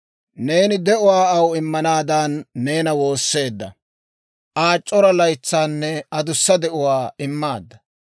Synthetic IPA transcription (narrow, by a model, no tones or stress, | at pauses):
ne̞ːnɪd̪ɛʔʊwaːɐwɪmːɐnaːd̪aːnːe̞ːnɐwo̞ːsːe̞ːd̪ːɐ̰ | ʔaːt͡ʃʼːɔɾɐlɐjt͡sːaːnːɛɐd̪ʊsːɐd̪ɛʔʊwaːɪmːaːd̪ːɐ